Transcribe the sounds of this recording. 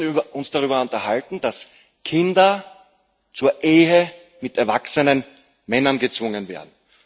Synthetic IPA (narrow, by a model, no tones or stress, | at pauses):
ɐʔʊnsd̥aʁyːbɐʊntɐhaltn̩d̥as | kʰɪndɐ | t͡suːɐʔeːɦə | mɪtɛɐvaksənən | mɛnɐnɡət͡sv̥ʊŋənvḛːɐdn̩